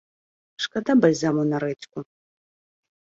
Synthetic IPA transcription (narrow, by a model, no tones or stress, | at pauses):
ʂkʼad̪abalʲzamuwnaɾɛtʲʰkʼʊ